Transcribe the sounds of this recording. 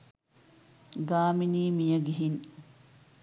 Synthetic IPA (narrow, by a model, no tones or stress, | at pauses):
ɡaːminiːmijəɡiɦin